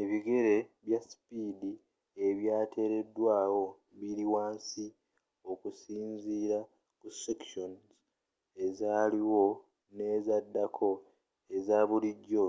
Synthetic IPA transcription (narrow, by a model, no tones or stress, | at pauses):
e̞βiɡe̞ɾe̞βjasi̥piːdi | e̞βjaːtʰe̞ɾe̞dːwaːwo̞ | βiɾiwaːnsi | o̞kusiːɲziːɾa | kusekʃonz | e̞zaːliwo̞ | ne̞ːzadːakʰo̞ | e̞zaːβuliɟːo̞